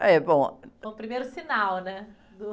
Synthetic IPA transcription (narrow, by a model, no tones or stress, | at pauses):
ɛbõũpɾimejɾusinawˠnɛ | d̪u